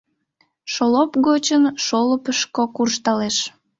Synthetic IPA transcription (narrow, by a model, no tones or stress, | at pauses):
ʃolopɣot͡ɕənʃoləpəʃkokurʃt̪ɑleʃ